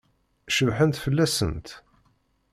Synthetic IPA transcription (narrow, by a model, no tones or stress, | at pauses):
ʃəvħənt̪fəlːæsə̰nt̪